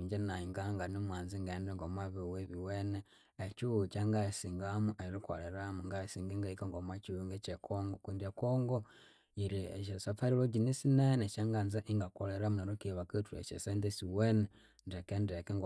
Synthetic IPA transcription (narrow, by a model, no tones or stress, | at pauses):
iɲd͡ʒenaiŋɡaŋɡanomwaːnziŋɡendeŋɡomaβiweβiweneː | t͡ʃuut͡ʃaŋɡajesiːŋɡamuʔeɾiko̰leɾamuŋɡajesiːŋɡeŋɡaikeŋɡomat͡ʃuuŋɡet͡ʃekʰoŋɡokundiekoːŋɡo | iɾiḛt͡ʃesafaɾiloɟinisinenet͡ʃaŋɡanzaʔiŋɡakoleɾamuneɾokiβaketuḛt͡ʃḛsendesiwene | ndekendekeŋɡ